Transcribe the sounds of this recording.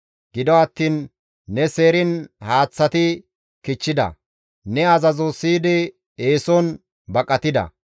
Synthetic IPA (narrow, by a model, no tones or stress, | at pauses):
ɡ̥ɪd̪ɔɐt̪ːiːnː | ɛseːɾɪnhaːt͡sːɐt̪ɪ | kɪt͡ʃːɪd̪ɐ̰ | nɛɐzɐzosiːd̪ɪ | eːsɔn | bɐkʼːɐt̪ɪd̪ɐ̰